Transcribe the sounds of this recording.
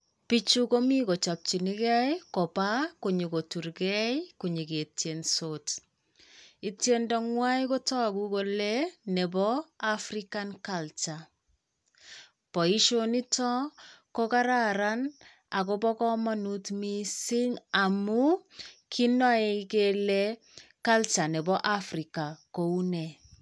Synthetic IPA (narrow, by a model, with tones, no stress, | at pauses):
pi˦t͡ʃu˦ko˦mi˦ko˨t͡ʃa˨p̚t͡ʃi˨ni˦kɛ˦jko˨pa˦ku˨ɲi˨ko˨tu˨ɾkɛjku˨ɲi˨ke˨tje˨nsot | i˦tjendɔ˦ŋwa˦jko˦tɔ˦ku˦ko˦lene˨bɔ˦afɾikankalt͡ʃa | pɔ˨i˦ʃoni˦tɔ˦ko˦ka˦ɾa˦ɾa˦n | a˨kobɔ˦kɔ˦ma˦nutmi˦si˦ŋa˨mu˦kʰi˦nɔ˦e˨kelɛ˦ | ka˦lt͡ʃa˨nɛ˨bɔ˦ʔa˦frika˨ko˦u˦nɛ˨